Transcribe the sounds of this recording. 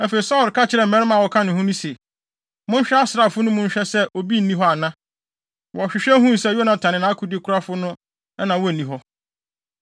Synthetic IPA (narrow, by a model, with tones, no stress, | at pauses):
ɛ˦fe˨i˨sa˦˨ɾkʰa˦t͡ɕʰɪ˨ɾɛ˨m̩˨mɛ̃˦nɪ̃˦mã˨wɔ˨kʰã˦nʊ̃˨hʊ̃˦nʊ̃˦se˨ | mʊ̃˦n˦ɕᶣɛ˦a˦sɪ˨ɾa˨fʊ˦nʊ̃˦mʊ̃˦ɲ˦ɕᶣɛ˦sɛ˦ʔo˨bi˦n̩˨nĩ˦ɦɔ˦a˨nã˦ | wɔ˨ɕᶣɪ˨ɕᶣɛ˦ɦũ˦n˨sɛ˦˨jo˦nã˨tʰã˨nɪ̃˨nã˦kʰʊ˦dɪ˦kʰʊ˦ɾa˦fʊ˦nʊ̃˦ | ɛ˦nã˨wɔ˦˨nĩ˨ɦɔ˦